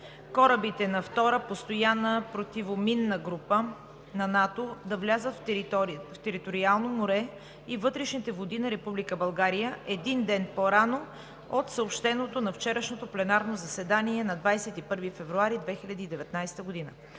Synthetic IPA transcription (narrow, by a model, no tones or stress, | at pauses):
kɔɾəbit̪ɛnɐft̪ɔɾəpost̪ojanəpɾot̪ivominːəɡɾupə | nɐnat̪od̪ɐvlʲazət̪f | ft̪ɛɾit̪oɾialˠnomoɾɛ | ivɤt̪ɾɛʃnit̪ɛvod̪inɐɾɛpublikəbɐlˠɡaɾijəʔɛd̪ind̪ɛnpoɾano | ot̪səopʃt̪ɛnot̪onɐft͡ʃɛɾəʃnot̪oplɛnaɾnozɐsɛd̪aniɛnɐd̪vajsɛt̪ipɤɾvifɛvɾuaɾid̪vɛxilʲɐd̪iːd̪ɛvɛt̪najst̪əɡod̪inə